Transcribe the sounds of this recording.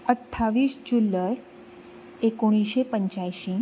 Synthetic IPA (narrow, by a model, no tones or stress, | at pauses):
əʈʰːaʋiːsd͡ʑulːəj | ekoɽ̃iɕepəɲt͡ɕajɕĩ